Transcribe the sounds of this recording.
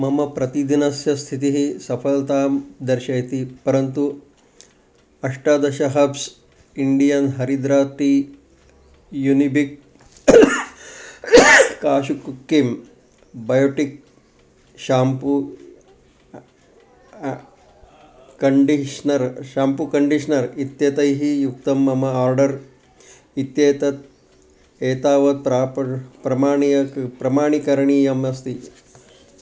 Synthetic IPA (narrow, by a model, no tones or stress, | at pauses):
mɐmɐpɾɐt̪id̪inɐsjɐst̪ʰit̪iɦisɐpʰɐlt̪aːmd̪ɐɾʃɐjt̪ipɐɾɐnt̪u | ɐʂʈaːd̪ɐʃɐɦɐbs | iɳɖijɐnɦɐɾid̪ɾaːt̪i | junibik̚ | kaːʃukukːim | bɐjoːʈik̚ | ʃaːmpu | kɐɳɖiʃnɐɾʃaːmpukɐɳɖiʂɐnɐɾit̪jɐt̪ɐjɦijuk̚t̪ɐmɐmɐaːɾɖɐɾ | it̪jeːt̪ɐt̪̚ | eːt̪aːʋɐt̪̚pɾaːppɾɐmaːɳijɐkpɾɐmaːɳikɐɾɐɳiːjɐmɐst̪i